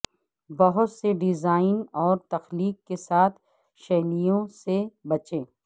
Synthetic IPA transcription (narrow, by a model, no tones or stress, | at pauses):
bɐɦʊt̪seɖɪzaːɪnɔːɾt̪ɐxliːkːesaːt̪ʰ | ʃɛːlijõsebɐt͡ʃẽː